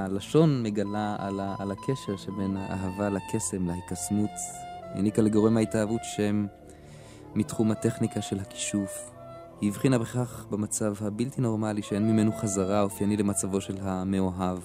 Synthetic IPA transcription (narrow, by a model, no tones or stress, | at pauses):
alaʃo̞nme̞ɡalaalaalakʰeʃe̞ʁʃebe̞naʔa̰ɦavalakʰe̞se̞mlahikasmutḭnikaleɡo̞ʁe̞mhaitaːvutʃeem | itχumhate̞χnikaʃe̞lhaki̥ʃuf | hiːvχinabeχχaχbemat͡savhabiltino̞ʁmaliʃeenmime̞nuχazaʁaofjanilemat͡savo̞ʃe̞lɦameoɦav